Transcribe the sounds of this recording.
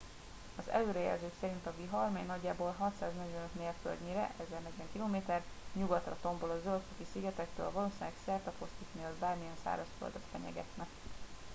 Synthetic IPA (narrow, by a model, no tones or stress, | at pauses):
ɒzɛ̰løːɾɛjɛ̰lzøːksɛɾint̪ɒviɦɒrmɛɲnɒɟːaːboːlɦɒt̪saːznɛɟvɛnøt̪meːrfø̰ld̪ɲeːɾɛ̰ʔɛzɛrnɛɟvɛŋkiloːmeːt̪ɛr | ɲuɡɒt̪rɒt̪o̞mbolɒzølt̪fot̪isiɡɛt̪ɛkt̪ø̰ːlvɒloːsiɛksɛrt̪ɒfost̪ikneːlbaːrmijɛnsa̰ːɾɒʃfø̰ld̪ot̪fɛɲɛ̰ɡɛ̰t̪nɛk